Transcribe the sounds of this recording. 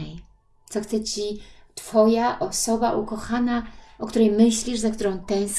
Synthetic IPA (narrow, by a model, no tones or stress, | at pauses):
ɛj | t̪sɔxt̪sɛt͡ɕi | t̪fɔjaʔɔsɔbaʔukɔxanaɔk̚t̪uɾɛjmɘɕlʲiʂzak̚t̪uɾɔ̃w̃t̪ɛ̃w̃s